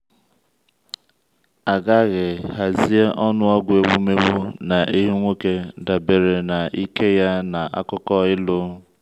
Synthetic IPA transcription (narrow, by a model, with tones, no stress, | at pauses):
a˨ɡa˦˨ɣɪ˨ɦa˨zi˦e˦ʔɔ˦nʊ˦ɔ˦ɡʷe˨wu˦me˦wo˦na˨ʔi˦ɦi˦ŋʷe˦ke˦da˨be˨ɾe˨na˨i˦ke˦ja˦na˨ʔa̰˦kʊ˦kɔ˦ɪ˦lʊ˦